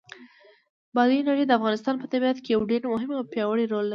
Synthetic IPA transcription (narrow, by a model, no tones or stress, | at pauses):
bɑd̪inaɽəjd̪əafɣɑnɪst̪ɑnpət̪abijat̪kejawɖeɾmʊɦɪmawpjɑwəɽiɾolːaɾi